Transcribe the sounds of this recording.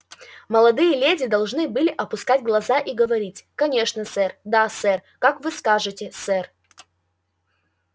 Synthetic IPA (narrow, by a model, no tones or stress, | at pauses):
məlˠɐd̪ɨjəlʲedʲɪd̪ɐlˠʐnɨbɨlʲɪʔɐpʊskatʲɡlˠɐzaʔiɡəvɐɾʲitʲkɐnʲe̞ʂnəsɛrd̪asɛrkakvɨskaʐɨtʲɪsɛr